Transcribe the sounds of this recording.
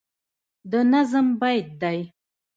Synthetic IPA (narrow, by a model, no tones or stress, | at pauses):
d̪ənazəmbajd̪̚ːaj